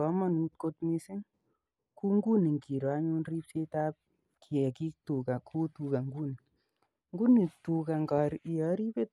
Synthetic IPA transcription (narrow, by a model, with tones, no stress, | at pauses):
ɔ˨˦mɔ˦nu˨ko˧tmi˦sɪ˦ŋ | ku˦ŋɡu˦ni˨ŋki˨ɾɔ˨a˦ɲu˦nri˦p̚se˦ta˦p̚ | kʰi˨ɛ˨ki˦ktu˨ka˨kʰu˦tu˧ka˨ŋɡu˦n | ŋɡu˦ni˨tu˨ka˨ŋɡa˨ɾi˨jɔ˨ɾi˦pe˦˨t̚